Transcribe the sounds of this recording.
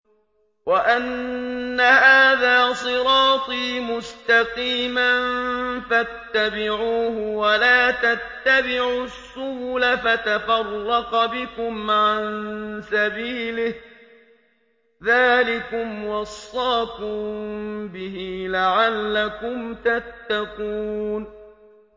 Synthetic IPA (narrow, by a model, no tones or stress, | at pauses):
waʔanː | ahaːðaːsˤɨɾɑːt̪ˤiːmʊst̪ɑqiːmanfat̪ːabɪʕuːhʊwalaːt̪at̪ːabɪʕusːʊhʊlafat̪afɑrˤːɑqbɪkʊmʕannsabiːlɪh | ðaːlɪkʊmwɑsˤːɑːkʊmbɪhiːlaʕalːakʊmt̪at̪ːaquːn